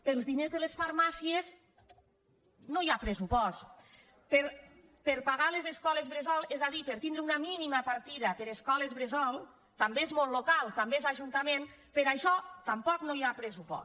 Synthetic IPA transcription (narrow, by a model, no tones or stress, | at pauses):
pelˠzðinezðəlesfaɾmasiez | nojapɾesupɔst̪ | peɾ | peɾpaɣalezeskɔlezβɾezɔlˠezaðipəɾt̪ind̪ɾəunəminiməpaɾt̪iðəpeɾeskɔlezβɾezɔlˠ | t̪ambeezmolˠlːokalˠt̪ambeezaʒunt̪amen | pəɾaʃɔt̪ampɔknojapɾesupɔ̰s